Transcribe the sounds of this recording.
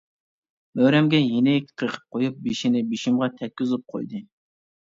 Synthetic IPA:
møɾɛmɡʲɛjenɪkʲʰqʰəɾqʰə̥p̚qʰojup̚beʃinɪbiʃimʁɑt̪ʰɛk̚ʲːyzup̚qʰo̰jd̪ɨ

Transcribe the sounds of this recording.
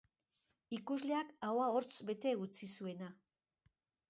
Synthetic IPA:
ikuzle̞akawao̞ɾt͡sbe̞t̪e̞ut͡sisue̞na

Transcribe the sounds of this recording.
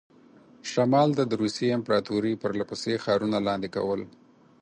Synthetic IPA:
ʃamɑld̪əd̪əɾuseɪmpɾɑt̪uɾipəɾlapəsexɑɾunalɑnd̪eka̰wəl

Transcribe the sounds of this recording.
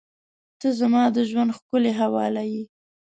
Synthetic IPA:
t̪əzamɑd̪əʒwand̪xkəleɦawɑ̰laji

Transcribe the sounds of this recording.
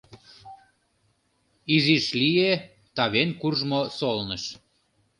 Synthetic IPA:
iziʃlije | t̪ɑβenkurʒmosolnəʃ

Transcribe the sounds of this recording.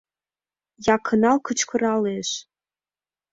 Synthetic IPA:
jɑkʰɤ̆nɑlkət͡ɕkɤ̆ɾɑleʃ

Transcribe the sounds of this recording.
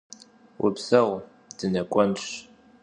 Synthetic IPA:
wʔʊ̰bzɐʁʷ | d̥ɨnɐkʷʼɔnɕ

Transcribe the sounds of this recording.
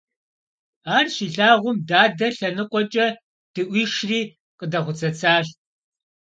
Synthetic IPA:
aːrʃiːɬaːʁʷʊmdaːdɐɬɐnɨqʷʼɔt͡ʃʼɐ | d̥ɨʔʷiːʂriː | qədɐχʷʊt͡sʰɐt͡sʰaːɬ

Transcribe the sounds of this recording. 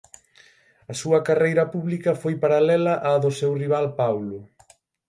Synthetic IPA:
ɐsuɐkarejɾɐpuβlikɐfojpaɾalɛlɐʔaðʊsɛwriβ̞alpawlʊ

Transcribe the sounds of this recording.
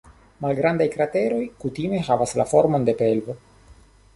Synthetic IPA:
malɡɾand̪ajkɾat̪e̞ɾo̞jkut̪ime̞ɦavasla̰fo̞ɾmo̞nd̪e̞pe̞lvo̞

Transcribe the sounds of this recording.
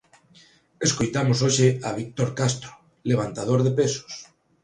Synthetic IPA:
eskojt̪amosoʃeaβ̞ik̚t̪oɾkast̪ɾo̥ | leβ̞ant̪að̞oɾðepeso̥s

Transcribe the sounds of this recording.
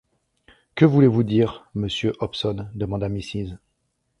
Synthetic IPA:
kəvulevud̪iːʁməsjøʔɔpsɔnd̪əmɑ̃d̪amisiz

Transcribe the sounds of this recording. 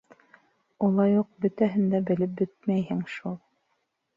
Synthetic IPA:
ulˠɑjuq̚bɵ̆t̪æɦɘ̆nd̪æbɘ̆lɘp̚bɘt̪̚mæjhɘŋʃulˠ

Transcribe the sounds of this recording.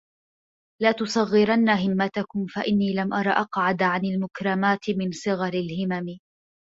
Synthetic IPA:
laːt̪ʊsˤɑɣːɪɾanːaɦɪmːat̪akʊmfaʔɪnːiːlamʔɑɾˤɑːʔɑqʕad̪ʕanɪlmʊkɾˤɑmaːt̪ɪmɪnsˤɨɣɑɾɪlhɪmamɪ

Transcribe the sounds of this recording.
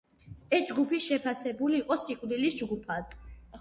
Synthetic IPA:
ɛsd͡ʒɡupʰiʃɛpʰasɛbuliːqʼɔsikʼwd̪ilisd͡ʒɡupʰad̪̥

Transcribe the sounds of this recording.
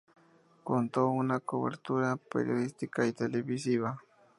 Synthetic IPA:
kont̪oʊnakoβḛɾt̪uɾapḛɾjoðist̪ikaijt̪elebisiβa

